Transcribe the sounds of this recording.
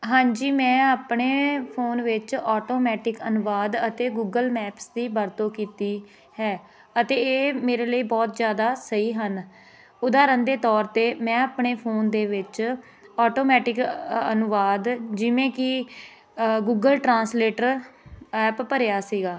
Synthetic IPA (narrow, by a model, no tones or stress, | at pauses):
ɦãːɲd͡ʒiːmɛ̃ːaːpɳeːpʰoːnʋɪt͡ʃɔːʈoːmɛːʈɪkənʊʋaːd̪ət̪eːɡuːɡəlmɛːpsd̪iːbəɾt̪õːkiːt̪iː | hɛː | ət̪eːeːmeːɾeːləiːbɔːt̪d͡ʒjaːd̪aːsəiːɦən | ʊd̪aːɾənd̪eːt̪ɔːɾt̪eːmɛ̃ːaːpɳeːpʰoːnd̪eːʋɪt͡ʃ | ɔːʈoːmɛːʈɪkənʊʋaːd̪d͡ʒɪʋẽːkɪ | ɡuːɡəlʈɾãːnsleːʈəɾɛːppəɾejaːsiːɡaː